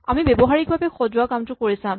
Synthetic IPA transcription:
amibebɔɦaɹik̚bʱabɛxozuakamtʊkoɹisãm

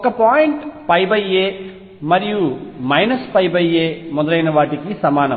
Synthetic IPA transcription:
ɔkɐpaːjɪɳʈpɐjbɐjeː | mɐɾijumɐjnɐspɐjbɐjeːmɔðɐlɐjnɐʋaːʈikːisɐmaːnɐ

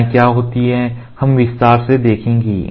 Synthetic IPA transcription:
kjaːɦoːt̪iɦɛ̃hɐmʋɪst̪aːɾsed̪eːkʰẽːŋɡḭː

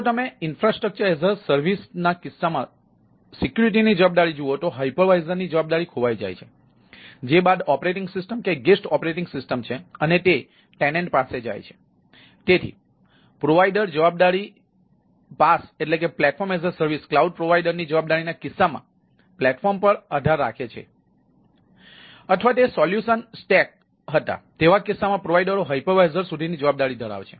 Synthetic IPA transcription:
t̪əmeɪnfɾasʈɾək̚t͡ʃəɾezəɾsəɾʋisnakɪsːamã | sikjuɾiʈ̬inid͡ʒəʋab̚d̪aɽid͡ʒuot̪oɦajpəɾʋajzəɾnid͡ʒəʋab̚d̪aɾikʰoʋajd͡ʒa̰jt͡ʃʰe | d͡ʒebad̪ɔpɾeʈɪŋɡsɪsʈəmkeɡesʈɔpɾeʈɪŋɡsɪsʈəmt͡ʃʰeənet̪e | ʈɛnẽɳʈpased͡ʒa̰jt͡ʃʰe̥ | t̪et̪ʰḭ | pɾoʋajɖəɾd͡ʒəʋab̚d̪aɽi | paseʈlekeplɛʈfɔɾmezəɾsəɾʋisklauɖ̚pɾoʋajɖəɾnid͡ʒəʋab̚d̪aɾinakɪsːamã̰ | plɛʈfɔɾmpəɾəd̪ʱaɾːa̰kʰet͡ʃʰḛ | ət̪ʰʋat̪oesɔljuʃənsʈɛk̚ | ɦət̪a̰t̪eʋakɪsːamãpɾoʋajɖəɾoɦajpoʋajzəɾsud̪ʱinid͡ʒəʋab̚d̪aɽid̪əɽa̰ʋt͡ʃʰe

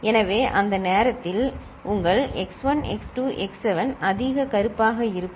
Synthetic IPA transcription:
ɛnɐʋeːʔɐnd̪ɐneːɾɐt̪ːɪl | ʊŋɡɐɭɛksʋɐnɛ̰ksʈuːʔɛksɛʋɐnɐðɪɣɐkɐɾɯpːaːɣɐɪɾɯpː

